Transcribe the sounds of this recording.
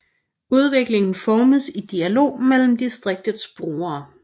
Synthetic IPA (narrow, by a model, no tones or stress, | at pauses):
uð̞ˠʋe̝ɡ̥le̝ŋn̩fɒːməðˠsid̥iælo̝̰ːmel̰m̩d̥isd̥ʁeɡ̥̚d̥ð̩ˠsb̥ʁoːɐː